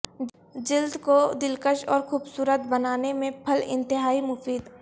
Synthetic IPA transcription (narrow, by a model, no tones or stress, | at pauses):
d͡ʒɪld̪kod̪ɪlkəʃɔːɾxuːbsuːɾət̪̚bɐnaːnemẽpʰɐlɪ̰̃nt̪ɪɦaːimʊfiːd̪